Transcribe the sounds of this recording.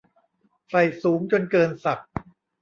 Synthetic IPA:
sa˨˩jsuː˩˦mt͡ɕo˧nkɤː˧nsa˨˩k̚

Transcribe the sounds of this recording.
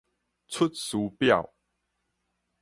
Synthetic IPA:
t͡sʰʊ˦˥t̪̚su˨˦pja˥˨w

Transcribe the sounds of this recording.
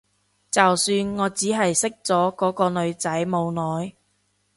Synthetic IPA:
t͡sɐ˨wsyː˧nŋɔː˨˧t͡siː˨˥ɦɐ˨jsɪ˥k̚t͡sɔː˨˥kɔː˨˥kɔː˧lɵ˨˧ɥt͡sɐ˨˥jmo˨˧wnɔː˨˧j

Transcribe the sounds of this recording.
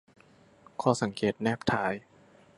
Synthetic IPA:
kʰɔː˧˩sa˨˩˦ŋkeː˨˩t̪̚nɛː˥˩p̚t̪ʰaː˩˦j

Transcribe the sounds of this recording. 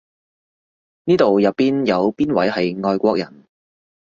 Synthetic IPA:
niː˥t̪o˨wjɐ˨˩p̚pːiː˥njɐ˨˧wpiː˥nwɐ̰˨˥jɦɐ˨jŋɔː˧jkʷɔː˧k̚jɐ̰˨˩n

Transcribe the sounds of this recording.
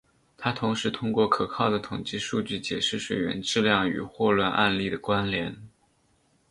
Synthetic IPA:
t̪ʰa˥t̪ʰʊ˧˥ŋʂɻ̩˧˥t̪ʰʊ˥ŋkwɔ˥˩kʰɤ˨˩kʰɑ˥˩ʊd̪ə˩t̪ʰʊ˨˩ŋt͡ɕi˥˧ʂu˥˧t͡ɕy˥˩t͡ɕjɛ˨˩ʂɻ̩˥˩ʂwe˨˩ɥɛ̰˧˥nʈ͡ʂɻ̩˥˧ljɑ˥˩ŋy̰˨˩xwɔ˥˧lwa˥˧nʔa̰˥˧nli˥˩d̪ə˩kwa˥nljɛ˧˥n

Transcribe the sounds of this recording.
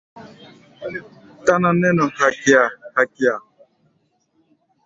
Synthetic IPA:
ta˦na˨nɛ˦nɔ˨ha˨kja˨ha˨kɪ˨a˨

